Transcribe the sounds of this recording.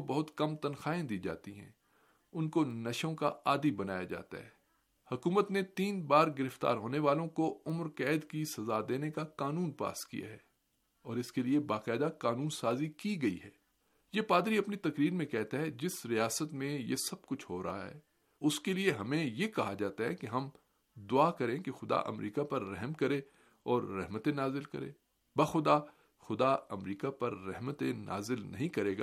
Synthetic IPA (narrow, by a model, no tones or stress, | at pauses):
bɐɦʊt̪kɐmt̪ɐnxaːẽd̪iːd͡ʒa̰ːt̪iɦɛ̰̃ː | ʊnkonɐʃõkaaːd̪ibɐna̰ːjad͡ʒa̰ːt̪a̰ɦɛː | hɐkuːmət̪net̪iːnbaːɾɡɪɾɪft̪a̰ːɾɦoːneʋaːlõkoʊmɾkɛːd̪kisɐzad̪eːnekakaːnũːnpa̰ːskḭja̰ɦɛ̰ː | ɔːɾɪskeliebaːqɛːd̪akaːnũːnsaːzikiɡɐḭɦɛː | jepaːd̪ɾiɐpnit̪ɐkɾiːɾmẽkɛɦt̪aɦɛd͡ʒɪsɾijaːsət̪mẽjḛsɐb̚kʊt͡ʃʰɦoːɾa̰ɦaɦɛ̰ː | ʊskelieɦɐmẽjekɐɦad͡ʒaːt̪aɦɛkeɦɐm | d̪ʊaːkɐɾẽkexʊd̪a̰ʔɐ̰mɾiːkapɐɾːɛɦmkɐɾe | ɔːɾːɛɦmət̪enaːzɪlkɐ̰ɾḛ̃ː | bɐxʊd̪a | xʊd̪aɐmɾiːkapɐɾːɛɦmət̪ena̰ːzɪlnɐɦĩkɐɾeːɡa̰ː